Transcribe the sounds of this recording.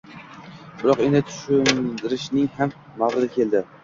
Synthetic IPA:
bɪɾɒqenɪt̪ʰʊ̥ʃʊnd̪ɪɾɪʃnɪŋhamː | aʁɨzɪkʲʰe̞lˠd̪ɪ

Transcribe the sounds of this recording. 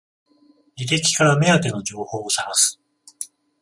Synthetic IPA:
ɾʲit̪e̞kʲi̥kaɾame̞at̪e̞no̞ʑo̞ːho̞ːsaɾasɨ̥

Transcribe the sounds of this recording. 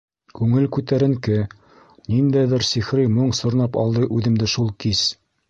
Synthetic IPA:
kʉŋɘlkʉt̪æɾɘ̆ŋkɘ | nind̪æjd̪ɘɾsiχɾimoɴsŏɾnɑpɒ̰lˠd̪ɤʔʉðɘ̆md̪ɘʃulˠkiz

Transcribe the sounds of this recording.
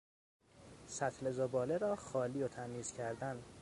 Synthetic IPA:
sæt̪ʰlezobɒːleɾɒːxɒːliːot̪ʰæmiːz̥cʰæɾd̪æn

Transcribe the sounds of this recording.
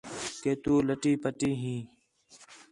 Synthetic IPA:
keːt̪uːləʈiːpəʈiːɦĩː

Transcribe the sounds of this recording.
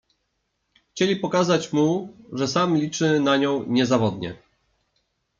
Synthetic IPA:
xt͡ɕelʲipɔkazat͡ɕmuʐɛsamlʲit͡ʂɘnaɲɔ̃w̃ɲɛzavɔd̪ɲɛ̰

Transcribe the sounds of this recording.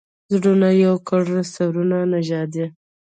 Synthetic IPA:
zɖunajawkaɽasawɾunanaʒɑd̪i

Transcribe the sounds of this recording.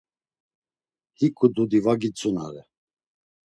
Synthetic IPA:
hikʰʼud̪ud̪ivaɡit͡sʼuna̰ɾɛ

